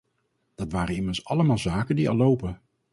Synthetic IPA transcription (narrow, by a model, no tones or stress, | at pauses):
d̥ɑtʋaːɾənɪməɹsɑləmaːlˠzaːkəndiɑ̰lowpən